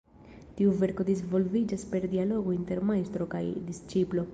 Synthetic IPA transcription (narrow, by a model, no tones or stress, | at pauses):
tiuve̞ɾko̞d̪izvo̞lvid͡ʒaspe̞ɾdialo̞ɡointe̞ɾmajst̪ɾo̞kajd̪ist͡ʃiplo̞